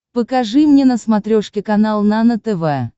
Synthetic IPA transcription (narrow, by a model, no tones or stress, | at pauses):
pəkɐʐɨmnʲenəsmɐt̪ɾʲoʂkʲɪkɐnalˠnanət̪ɛvɛ